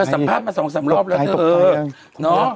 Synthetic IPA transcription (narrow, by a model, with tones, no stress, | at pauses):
sa˨˩˦mpʰaː˥˩t̪̚maː˧sɔ˩˦ŋsa˨˩˦mlɔː˨˥˩p̚lɛː˦˥t̪ːʔəː˧ | nɔ˦˥